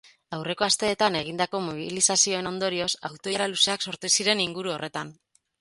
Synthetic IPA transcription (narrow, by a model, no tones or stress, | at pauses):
awre̞ko̞ast̪e̞ːt̪ane̞ɣ̞ind̪ako̞moβ̞iilisasio̞e̞no̞nd̪o̞ɾio̞sawt̪o̞ɾaluse̞akso̞ɾt̪usiɾe̞niŋɡuɾuo̞re̞t̪an